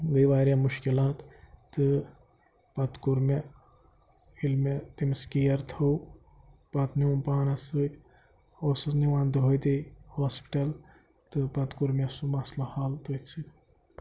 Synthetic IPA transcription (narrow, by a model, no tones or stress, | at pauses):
ɡəjʋaːɾjamuʃkilaːt̪ːɨ | pɐt̪kuɾme | ilmet̪imskijɐɾt̪ʰow | pɐt̪nimpaːnɐsɨt̪ʲ | oːsɨsniwãːnd̪ɦojd̪ihoːspi̥ʈɐl | t̪ɨpɐt̪kuɾmesumɐslɐhaːlt̪ət͡sʰit̪